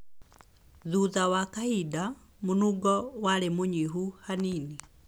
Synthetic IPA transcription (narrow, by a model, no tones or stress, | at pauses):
ðuðawakaida | munuɡɔwalɛmuɲiɦuhanini